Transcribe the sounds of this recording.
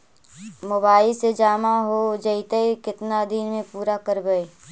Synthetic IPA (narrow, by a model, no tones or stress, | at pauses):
moːbaːɪlsed͡ʒaːmaɦod͡ʒəɪt̪əekɪt̪nad̪iːnmẽpuːɾakəɾbəe